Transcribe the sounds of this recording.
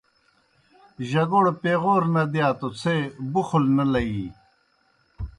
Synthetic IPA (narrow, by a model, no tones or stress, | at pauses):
ʑɐɡoɽpeɣoːɾnɐd̪jaːt̪ot͡sʰebuxulnɐlɐɡi